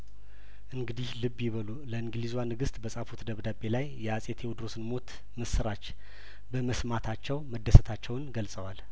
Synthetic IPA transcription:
ʔɨŋɡɨd̪ihlɨbjiβəluləɨŋɡlizwanɨɡɨst̪bəsʼafut̪d̪əβd̪abe̞lajːɛasʼet̪ʰewd̪ɾo̞sɨnmo̞t̪ | mɨsɨɾat͡ʃː | bəməsmat̪ʰat͡ʃːɛwməd̪ːəsət̪ʰat͡ʃːɛwnɡəlsʼəwal

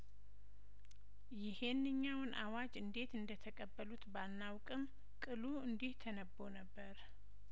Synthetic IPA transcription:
jɪhe̞nːɨɲːawnʔawad͡ʒɨnd̪e̞t̪ɨnd̪ət̪ʰəkʼəbːəlut̪balnawkʼɨm | kʼɨluɨnd̪iht̪ʰənəbːonəbːəɾ

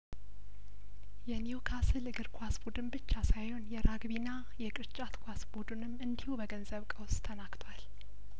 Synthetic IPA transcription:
jɛniokʰasɨlɨɡɨɾkʰwasbud̪ɨnbɨt͡ʃːasajho̞njɛɾaɡbina | jɛkʼɨɾt͡ʃʼat̪kʰwasbud̪ɨnɨmːɨnd̪ihubəɡənzəβkʼəwst̪ʰənakt̪ʰwal

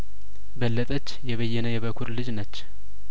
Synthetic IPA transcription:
bəlːət̪ʼət͡ʃːjɛβəjːɛnəjɛβəkʰuɾlɨd͡ʒnət͡ʃː

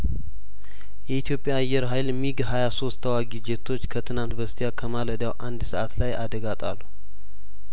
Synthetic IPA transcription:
jɛit̪ʰjo̞pʼjaːjːɛɾɦajlmiɡɦajaso̞st̪ʰːəwaɡid͡ʒet̪ʰo̞t͡ʃːkʰət̪ʰɨnant̪bəst̪ʰijakʰəmaləd̪jawʔand̪səʔat̪lajad̪əɡat̪ʼa̰lːu

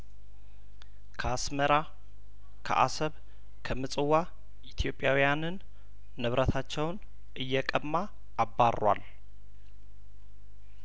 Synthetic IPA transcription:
kʰəasməɾa | kʰə̰ʔa̰səβ | kʰəmɨsʼɨwːa | ʔit̪ʰjo̞pʼːjawijanɨnː | ɨβɾʔət̪ʰat͡ʃːɛwn | ʔɨjːɛkʼəmːaː | barʔa̰l

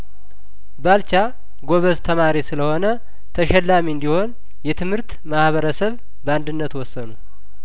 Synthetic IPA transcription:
balt͡ʃa | ɡoβəzt̪ʰəmaɾisɨləho̞nə | t̪ʰəʃɛlːamiɨnd̪iho̞n | jɛt̪ʰɨmhɨɾt̪ | mahβəɾəsəβ | bəand̪ɨnːət̪wɔsːənu

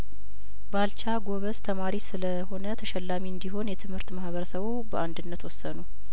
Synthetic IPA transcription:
balt͡ʃaɡo̞βəst̪ʰəmaɾisɨləho̞nət̪ʰəʃɛlːamiɨnd̪iɦo̞njɛt̪ʰɨmhɨɾt̪mahβəɾəsəβubəʔand̪ɨnːət̪wɔsːənu

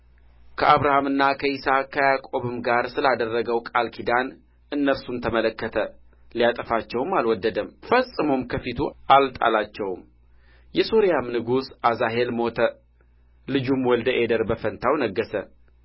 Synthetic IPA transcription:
kʰəʔaβɾahamɨnːakʰəisakʰːəjakʼo̞βɨmɡaɾsɨlad̪ərːəɡəwkʼalkʰid̪an | ɨnːəsunt̪ʰəmələkːət̪ʰə | ljat̪ʼəfat͡ʃːɛwmalwɔd̪ːəd̪əmfəsʼɨmomkʰəfit̪ʰuʔalt̪ʼa̰lat͡ʃːɛwm | jɛsoɾjamnɨɡusazaɦe̞lmo̞t̪ʰə | lɨd͡ʒumwɔld̪əʔe̞d̪əɾbəfənt̪ʰawnəɡːəsə

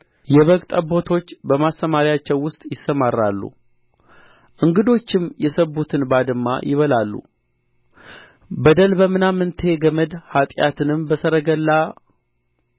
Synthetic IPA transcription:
jɛβəkʼt̪ʼəbo̞t̪ʰo̞t͡ʃːbəmast̪əmaɾijat͡ʃːɛwːʊst̪ʼjɪsːəmarːa̰lːṵ | ʔɨŋɡɨd̪o̞t͡ʃːɪmjɛsəbut̪ʰɨnbad̪ɨmːa̰jʔɪβəlalːṵ | bəd̪əlbəmɨnamːɨnt̪ʰe̞ɡəməd̪hat̪ʼjat̪ʰɨnɨmbəsəɾəɡəlːa

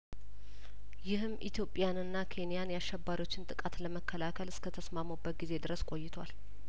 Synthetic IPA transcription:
jɪhɨmʔit̪ʰjo̞pʼːjanɨnːakʰe̞nijanjaʃːɛbːaɾiwo̞t͡ʃːɪnt̪ʼɨkʼat̪ləməkʰːəlakʰəlɨskʰət̪ʰəsmaməbːət̪̚ɡize̞d̪ɨɾəskʼo̞jːɪt̪ʰwal

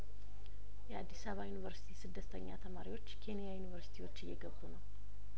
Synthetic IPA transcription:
jɛad̪ːisəβajunivəɾsi̥t̪ʰisɨd̪ːət̪ʰəɲːa̰t̪ʰəmaɾiwo̞t͡ʃːkʰe̞nijajunivəɾsi̥t̪ʰiwo̞t͡ʃːɪjːɛɡəβt̪unəw

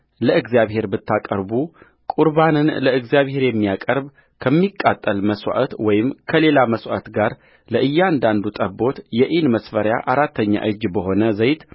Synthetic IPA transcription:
ləɨɡzijaβhe̞ɾbɨt̪ʰːakʼəɾbu | kʼuɾbanɨnləɨɡzijaβhe̞ɾjɛmːijakʼəɾb | kʰəmːikʼːat̪ʼːəlməswʷa̰ʔət̪wɔjɪmkʰəle̞laməswaʔət̪ɡaɾ | ləʔɨjːand̪and̪ut̪ʼəbo̞t̪jɛʔinməsfəɾja̰ʔaɾat̪ʰːəɲːa̰ʔɨd͡ʒbəɦo̞nəzəjt̪

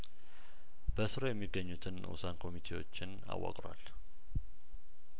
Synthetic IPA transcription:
b̥əsɨɾo̞jɛmːiɡːəɲːut̪ʰɨnṵsankʰo̞mit̪ʰe̞wo̞̰t͡ʃːɪn | a̰wːa̰kʼɾwa̰l

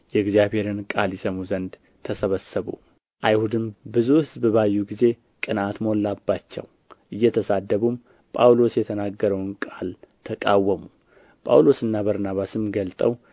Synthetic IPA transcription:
jɛɡzjaβhe̞ɾɨnkʼaljɛsəmuzənd̪ | t̪ʰəsəβəsəβṵ | ʔajhud̪ɨmbɨzuhɨzbɨβajːuɡize̞ | kʼɨnat̪molːabːat͡ʃːɛ̰w | ʔɨjːɛt̪ʰəsad̪ːəβum | pʼawlo̞sjɛt̪ʰənaɡːəɾəwnkʼalt̪ʰəkʼawːəmu | pʼa̰wlo̞sɨnːabəɾnaβasɨmɡəlt̪ʼəw

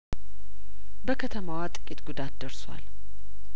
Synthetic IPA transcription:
bəkʰət̪ʰəmawat̪ʼɨ̥kʼit̪ɡud̪at̪d̪əɾswa̰l

